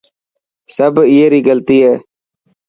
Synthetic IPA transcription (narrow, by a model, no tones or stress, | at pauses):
səbɪjeːɾiːɡəlt̪iːɦɛː